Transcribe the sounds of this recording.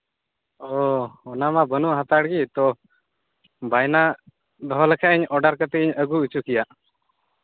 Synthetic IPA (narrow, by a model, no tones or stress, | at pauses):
ɔɔnamabənuʔɦat̪aɽɡit̪ɔ | bajna | d̪ɔɦɔlɛkʰaʔiɲɔɖaɾkət̪ɛʔiɲəɡuut͡ʃukijaʔ